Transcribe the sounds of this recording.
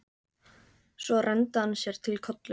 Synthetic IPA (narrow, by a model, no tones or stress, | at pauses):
svɔrɛnt̪ahanːsjɛɾ̥t̪ʰɪlkʰɔt̪lʏ